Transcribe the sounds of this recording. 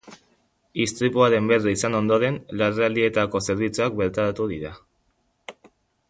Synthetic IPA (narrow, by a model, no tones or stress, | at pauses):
ist̪ɾipuaɾe̞mbe̞riisano̞nd̪o̞ɾe̞nlareald̪ie̞t̪ako̞se̞ɾβit͡suak̚be̞ɾt̪aɾat̪uðiɾa